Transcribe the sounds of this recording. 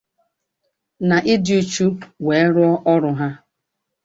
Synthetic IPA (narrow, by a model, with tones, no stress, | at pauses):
na˨ʔɪ˦dɪ˨u˦t͡ʃu˦we˨e˦ɾʊ˦ɔ˦ʔɔ˦ɾʊ˨ɦa˦